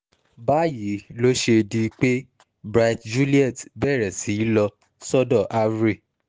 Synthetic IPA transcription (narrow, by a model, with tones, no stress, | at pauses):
ba˦ji˨˦lo˦ʃe˧di˧k͡pe˦ | bɾa˧˦td͡ʒu˦li˦ɛ˦˨tbɛ˦˨ɾɛ˨si˨˦lɔ˧ | sɔ˦dɔ˦˨ʔa˧ɾe˦˨